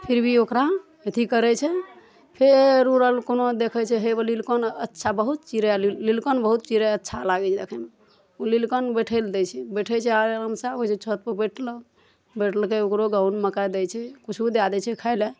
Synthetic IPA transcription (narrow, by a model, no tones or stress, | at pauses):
pʰiɾbʱiokɾa | et̪ʰikəɾɛt͡ʃʰɛ | pʰeɾuɾəlkonod̪ekʰɛt͡ʃʰɛɦebəlilkənətːʃʰabəɦut̪̚t͡ʃiɾellilkənbəɦut̪̚t͡ʃiɾəətːʃʰalaɡɛt͡ʃʰɛd̪ekʰɛme | ulilkənbeʈʰəld̪ɛt͡ʃʰɛbeʈʰɛt͡ʃʰɛaɾləmsaot͡ʃʰet͡ʃʰot̪̚pəbeʈʰlə | beʈʰəlkeokɾoɡawnməkajd̪ɛjt͡ʃʰɛkut͡ʃʰubid̪ad̪ɛt͡ʃʰɛkʰaɪle